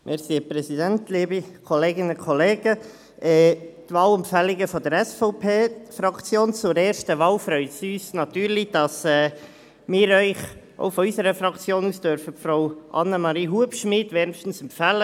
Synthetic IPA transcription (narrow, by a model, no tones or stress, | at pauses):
mʔɛɾsiːəprɛsidɛntliːbikʰɔleːɡɪnəkʰɔleːɡ̥ə | ʔɛːtvɑːlɛmpfɛlɪɡəfɔdəɾɛsfɔʊpʰeːfɾɑkt͡sjoːnt͡sʊɾɛːɾʃtəʋɑːlfɾœʏtsiyːsnɑt̪yːɾlid̥ɑsɛː | mɪːɾœʏχ | o̰ʊfɔysəɾəfɾɑkt͡sjoːnuːsd̥œɾfəfɾaʊʔɑ̰nːəmɑɾiːɦuəpʃmɪːdʋɛːɾnʃtn̩sɛmpfæːlə